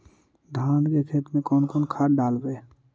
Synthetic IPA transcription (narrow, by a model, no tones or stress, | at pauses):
d̪ʱãːnkekʰeːt̪mẽkɔːnkɔːnkʰaːʈɖaːlbeː